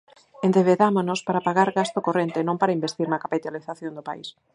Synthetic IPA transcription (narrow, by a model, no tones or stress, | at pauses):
end̪eβeðamonospaɾapaɣaɾɣast̪okorent̪enõmpaɾaimbest̪iɾnɐkapit̪aliθaθjond̪opa̰is